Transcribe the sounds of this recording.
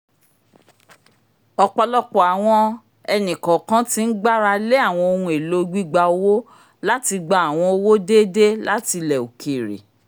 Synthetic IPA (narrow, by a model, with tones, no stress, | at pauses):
ɔ˧k͡pɔ˧lɔ˦k͡pɔ˨a˨w̃ɔ̃˧ | ɛ˧nĩ˨kã˨kã˦ti˦n̩˦ɡ͡ba˦ɾa˧le˦a˦˨w̃ɔ̃˧o˧ɾũ˧e˨lo˦ɡ͡bi˦ɡ͡ba˧o˧wo˦ | la˦ti˧ɡ͡ba˦a˨w̃ɔ̃˧o˧wo˦de˦de˦la˦ti˧lɛ˨o˨ke˨ɾḛ˨